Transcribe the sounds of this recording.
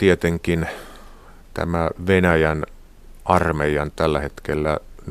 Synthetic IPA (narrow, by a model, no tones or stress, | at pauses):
t̪iet̪eŋkin | t̪æ̰mæʋenæjæn | ʔɑrmejɑnt̪ælːæhet̪kelːæn